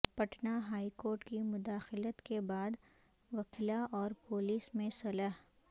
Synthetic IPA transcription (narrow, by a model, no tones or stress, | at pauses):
pɐʈʰnaɦaːikoːɾʈkimʊd̪aːxɪlət̪kebaːd̪ | ʋɐkʰlaʔɔːɾpoːliːsmẽsɐləɦ